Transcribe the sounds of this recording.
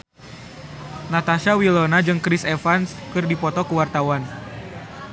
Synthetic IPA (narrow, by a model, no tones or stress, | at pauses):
nat̪aʃawilɔnad͡ʒɨŋkɾisefanskɨrdipɔt̪ɔkəwart̪awan